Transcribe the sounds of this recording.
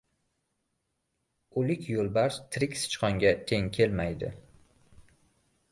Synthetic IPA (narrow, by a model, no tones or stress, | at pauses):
ʊlɪkʲʰjolˠbaɾt̪ʰɾɪkʲsɪ̥t͡ʃqɒŋɡʲat̪ʰe̞ŋkʲʰe̞lmajd̪ɪ̰